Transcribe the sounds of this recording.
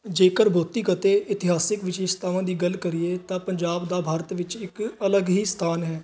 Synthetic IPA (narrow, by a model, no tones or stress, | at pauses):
d͡ʒeːkəɾbʱoːt̪ːiːkət̪eːʔɪt̪ɪɦaːsɪkʋɪt͡ʃɪst̪aːʋãːd̪iːɡəlkəɾieːt̪ãːpəɲd͡ʒaːbd̪aːbʱaːɾət̪ʋɪt͡ʃɪkələɡɦiːst̪ʰaːnɦɛː